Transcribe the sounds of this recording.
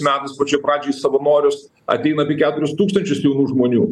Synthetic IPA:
smʲæːt̪ɐɪspoːt͡ʃʲɛpɾɑːd͡ʒʲoːjisɐʋɐnoːɾʲʊs | ɐ̰t̪ʲɛɪnɐɐːpʲiɛkʲæːt̪ʊɾʲʊst̪uːkst̪ɐnʲt͡ʃʲʊsjɛʊnuːʒmoːnʲuː

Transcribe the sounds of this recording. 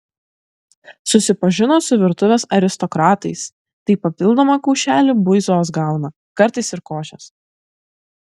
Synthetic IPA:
sʊsʲɪpɐʒʲɪnoːsʊʋʲɪɾt̪ʊʋʲeːsɐɾʲɪst̪ɔkɾɑːt̪ɐɪs | t̪ɐɪpɐpʲɪlˠd̪oːmɑkɔʊʃʲæːlʲɪbʊɪzoːs̬ɡɑˑʊnɐ | kɐɾt̪ɐɪsɪɾkoːʃʲɛs

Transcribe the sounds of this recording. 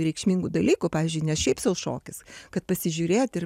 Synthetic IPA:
ɾʲɛɪkʃʲmʲiŋɡud̪ɐlʲiːkʊpɑːʋʲiːzʲd͡ʒʲʊɪnʲɛsʃʲɛɪpsɐʊʃo̰ːkʲɪskɐt̪̚pɐsʲɪʒʲuɾʲeːjot̪ɪr

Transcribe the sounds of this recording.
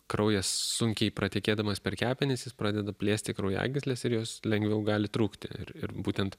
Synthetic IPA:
kɾɐʊjɛssʊŋʲkʲɛɪpɾɐt̪ʲɛːkʲeːd̪ɐmɐspʲɛɾkʲæːpʲɪnʲɪsjɪspɾɑːd̪ʲɛd̪ɐpʲlʲeːsʲt̪ʲɪkɾɐʊjæ̰ːɡʲɪsʲlʲeːsɪɾjoːslʲɛŋʲɡʋʲɛʊɡɑːlʲɪt̪ɾuːkt̪ʲɪ̰ɪ̰rɪrbuːt̪ʲɛnt̪

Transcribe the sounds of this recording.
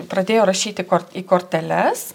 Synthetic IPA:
pɾɐd̪ʲeːjoːɾɐʃʲiːt̪ʲɪkoɾiːkoːɾʲt̪ʲɛlʲɛs

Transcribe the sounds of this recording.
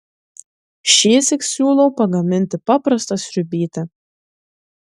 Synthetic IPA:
ʃiɛsʲɪksʲuːlˠɐwpaɡamʲɪnt̪ʲɪpapɾast̪asʲɾʲybʲiːt̪a

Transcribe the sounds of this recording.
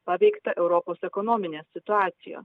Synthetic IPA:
pɑːʋʲɛɪkt̪ɐʔɛʊɾɔpoːsɛkɔnoːmʲɪnʲeːsʲɪt̪ʊɑːt̪sʲɪjo̰ː

